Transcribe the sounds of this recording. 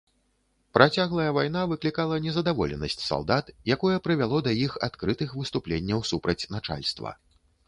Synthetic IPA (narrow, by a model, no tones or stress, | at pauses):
pɾʔat͡sʲaɣlˠɐjɐvajn̪avɨklʲikalˠɐnʲɛzɐd̪avɔ̰lʲɛ̰nɐsʲt͡sʲsa̰lˠd̪at̪jakɔjɐpɾɨvʲalˠɔd̪ɐjixa̰t̪kɾɨt̪ɨxvɨst̪uplʲenʲːɐwsupɾɐt͡sʲnat͡ʂa̰lʲst̪vɐ̰